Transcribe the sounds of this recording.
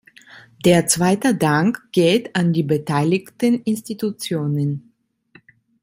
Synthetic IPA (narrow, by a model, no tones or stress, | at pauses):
d̥eːɐt͡sv̥aɪtədaŋkɡ̥eːtandiːbətʰaɪlɪçtənʔɪnstitut͡sjoːnən